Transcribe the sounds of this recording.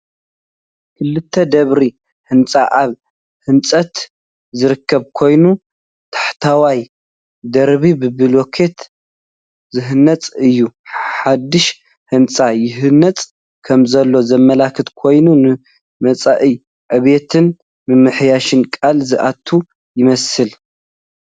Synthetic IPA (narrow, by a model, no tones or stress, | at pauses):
kʰɨlːɨt̪ʰːɐd̪ɐβɾi | hɨnt͡sʼaʔaβ | hɨnt͡sʼɐt̪ | zɨɾɨkʰːɐβkʰo̞jnu | t̪ʰḁħt̪ʰawaj | d̪ɐɾβibɨbɨlo̞kʰe̞t̪ | zɨɦɨnːɐt͡sʼɨjːuħad̪ːɨʃ | hɨnt͡sʼajɪɦɨnːɐt͡sʼ | kʰɐmzɐlːo̞zɐmːɐlakʰɨt̪kʰo̞jnunɨ | mɐt͡sʼaʔɨ | ʕɨβe̞t̪ʰɨn | mɨmːɨħjaʃɨnkʼalzɨʔat̪ʰːu | jɪmɐsɨl